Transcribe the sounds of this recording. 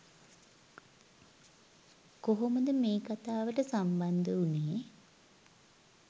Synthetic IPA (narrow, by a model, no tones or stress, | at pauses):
koɦoməd̪əmeːkat̪aːʋəʈəsamband̪əunej